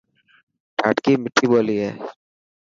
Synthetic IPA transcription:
ʈaːʈkimɪʈʰːiboːliɦɛː

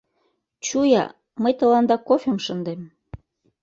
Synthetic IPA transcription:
t͡ɕujɑ̰ | məjt̪ə̆lɑnd̪ɑkofʲemʃənd̪em

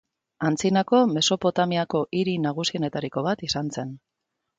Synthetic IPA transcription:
ant͡sinako̞me̞so̞po̞t̪amiako̞ʔiɾinaɣ̞usie̞ne̞t̪aɾiko̞β̞at̪isanse̞n

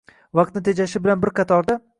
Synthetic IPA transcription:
vɑq̚t̪nɪt̪ʰe̞d͡ʒaʃɪbɪlanbɪɾqʰɑt̪ʰɒɾd̪a

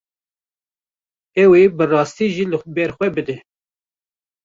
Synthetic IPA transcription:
ɛwebɨrɑːst̪iʒiːlɨbɛɾxʷɛbɨd̪ɛ

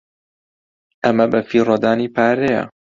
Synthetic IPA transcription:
ʔɐmɐbɐfiːrˤɐd̪aːniːpʰaːɾejɐ̰

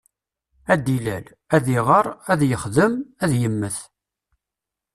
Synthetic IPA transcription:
æd̪ilæ̰l | æðiʁəɾˤæðjəχðəmæðjəmːəθ

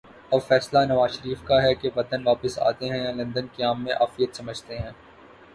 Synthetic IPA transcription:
ɔːɾfɛːslanɐʋaːzʃəɾiːfkaɦɛkeʋɐd̪ənʋaːpəsa̰ːt̪eɦɛ̃jãlɐ̃nd̪ənkeaːmːẽʔaːfijət̪sɐməd͡ʒʱt̪eɦɛ̃ː

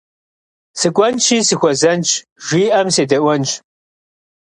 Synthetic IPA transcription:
sɨkʷʼɔnt͡ʃʰiːsɨxʷɔzɐnt͡ʃʰʼ | ʒ̥ʷiːʔɐmseːdɐʔʷɔnt͡ʃʰʼ

